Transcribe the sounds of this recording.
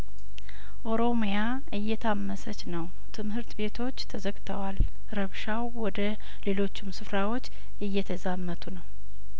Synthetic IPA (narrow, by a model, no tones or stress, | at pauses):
ʔo̞ɾo̞mja | ɨjːɛt̪ʰamːəsət͡ʃnəw | t̪ʰɨmhɨɾt̪be̞t̪ʰo̞t͡ʃːt̪ʰəzəɡt̪ʰəwal | ɾəβʃawwɔd̪ə | le̞lo̞t͡ʃːɪmsɨfɾawo̞t͡ʃː | ɨjːɛt̪ʰəzamːət̪ʰunəw